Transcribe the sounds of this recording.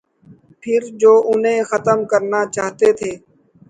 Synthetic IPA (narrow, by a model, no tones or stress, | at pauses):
pʰɪɾd͡ʒoːʔʊnɦẽːxət̪əmkəɾnaːt͡ʃaːɦt̪eːt̪ʰeː